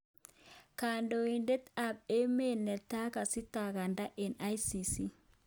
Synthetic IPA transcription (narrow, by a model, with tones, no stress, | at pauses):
kaːndɔind̪ɛ˦t̪a˨be˦mːeː˦nːɛ˨t̪ːa˦kɐsɪ˦t̪ːaːɡɐ˨nd̪ɐ˦ʔɛnɐ˦jsiːsɪ˦